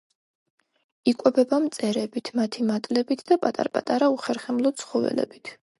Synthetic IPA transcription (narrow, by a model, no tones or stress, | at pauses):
ikʼwɛbɛbamt̪sʼɛɾɛbit̪ʰmat̪ʰimat̪ʼlɛbit̪ʰd̪apʼat̪ʼa̰ɾpʼa̰t̪ʼaɾauχɛɾχɛmlˠɔt̪sʰχɔvɛ̰lɛ̰bit̪ʰ